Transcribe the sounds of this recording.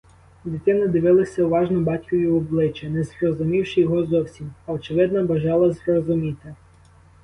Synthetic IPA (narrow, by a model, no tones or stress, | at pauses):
dʲit̪ɪnɪd̪ɪʋɪlˠɪsʲɐʊʋɑʒnɔbɑtʲkʲɔʋʲiwɔblˠɪt͡ʃɛnɛzrɔzʊmʲiwʃɪjɔɦɔzɔwsʲimɐɔt͡ʃɪʋɪd̪nɐbɐʒɑlˠɐzrɔzʊmʲit̪ɪ